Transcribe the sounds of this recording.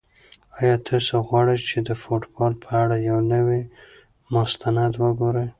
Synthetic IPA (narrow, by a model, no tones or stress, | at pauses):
ɑjɑt̪ʰəsoɣwɑɽəjt͡ʃed̪əfoʈbɑlpʰəaɽajawnəwi | mʊst̪ʰanad̪wəɡoɾəj